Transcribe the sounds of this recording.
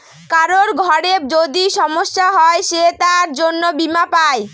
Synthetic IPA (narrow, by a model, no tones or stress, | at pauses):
kaɾoɾɡʱɔɾeb̚d͡ʑod̪iʃɔmoʃːaɦɔeʃet̪aɾd͡ʑonːobimapae